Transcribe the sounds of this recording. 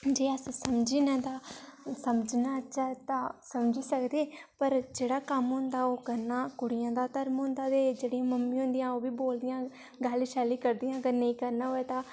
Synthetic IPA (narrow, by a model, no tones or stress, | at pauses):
d͡ʒeːəssəmd͡ʒiːnãːt̪aːsəməd͡ʒnaːt͡ʃat̪ãːsəmd͡ʒiːsəkd̪eːpəɾd͡ʒeːɽaːkəmɦʊ̃nd̪aːoːkəɾnaːkʊɽɪjãːd̪aːt̪əɾmɦʊ̃nd̪aːt̪eːd͡ʒeːɽiãːməmːĩːɦʊ̃nd̪ɪjãːoːʋiːboːld̪ɪjãː | ɡəlʃaːliːkəɾd̪ijãːəɡəɾnəĩːkəɾnaːɦoːɛːt̪ãː